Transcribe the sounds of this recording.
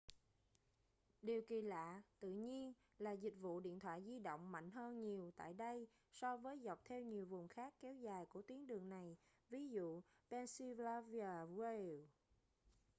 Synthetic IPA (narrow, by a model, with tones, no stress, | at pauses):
ɗi˨˩əwki˨˩la̰ː˧˨t̪ɨ̰˧˨ɲi˧ən | laː˨˩zï˨˩k̟̚vṵ˧˨ɗḭ˧˨ənt̪ʰwa̰ː˧˨jzi˧ɗo̰˧˨wŋ͡mma̰˧˨jŋ̟ɦəː˧nɲi˨˩əwt̪a̰ː˧˨jɗə˧j | sɔ˧vəː˨˦jza˨˩wk͡p̚t̪ʰɛ˧wɲi˨˩əwvʊ˨˩ŋ͡mxaː˦˥kːɛ˨˦wzaː˨˩jku˧˩ət̪i˨˦ənɗɨ˨˩əŋna˨˩j | vi˨˦zṵ˧˨ | pɛ˧nsi˧vla˧vi˧˨˧